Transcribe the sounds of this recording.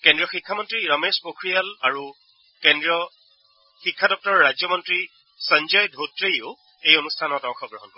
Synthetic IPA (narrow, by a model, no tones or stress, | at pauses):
kẽndɹijɔxikʰːamɔntɹiɹɔmespokʰɹijalaɹu | kendɹiɔ | xikʰːadɔk̚tɔɹɔɹazjɔmɔntɹi | sɔɲd͡ʒɔjdʱotɹejʊ | ejonustʰanɔtɔxʰɔɡɹɔɦɔnkɔɹ